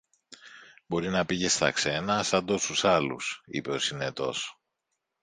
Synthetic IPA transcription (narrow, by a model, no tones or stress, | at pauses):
bo̞ɾinɐpiʝe̞st̪ɐ̰kse̞nɐsɐnd̪o̞st̪usɐlṵsḭpe̞o̞sine̞t̪o̞̰s